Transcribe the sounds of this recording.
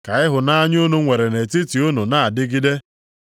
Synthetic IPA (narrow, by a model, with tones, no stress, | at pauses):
ka˨ɪ˦ɦʊ˨na˦ɲ˦o˦no˦ŋʷe˨ɾe˨ne˨ti˦ti˨o˦no˨na˦a˨dɪ˦ɡi˦de˦